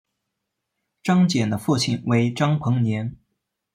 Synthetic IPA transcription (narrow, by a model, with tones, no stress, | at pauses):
ʈ͡ʂɑ˥ŋt͡ɕjɛ˨˩nd̪ə˦fu˥˩t͡ɕʰi˨˩nwe˧˥ɪʈ͡ʂɑ˥ŋpʰɤ˧˥ŋnjɛ˧˥n